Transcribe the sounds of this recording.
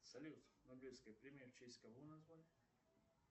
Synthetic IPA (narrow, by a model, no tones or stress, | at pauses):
sɐlʲut̪noblʲiskəjpɾʲemʲeft͡ɕesʲkɐvonɐzvalʲɪ